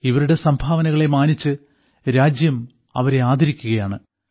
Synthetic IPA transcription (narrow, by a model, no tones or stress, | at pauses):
iʋɐɾuɽe̞sɐmbʱaːʋɐnɐɣɐɭe̞maːnit͡ɕːɨ | ɾaːd͡ʑjɐm | ɐ̰ʋɐɾe̞aːd̪ʱɐɾikʲːuɣɐjaːɳɨ